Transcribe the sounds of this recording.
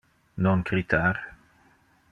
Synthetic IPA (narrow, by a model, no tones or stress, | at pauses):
nɔnkɾit̪ʰaɾ